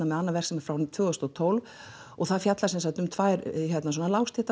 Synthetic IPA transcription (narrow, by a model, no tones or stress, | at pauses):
namɛðanːavɛr̥ksɛmaɾfɾawnt̪v̥œːɣʏst̪ɔt̪ʰowlv | ɔɣθaðfjat̪lasɛnsat̪ʏmt̪ʰvaːjɾçɛt̪nas̬ɔnalawst̪ʰɪht̪a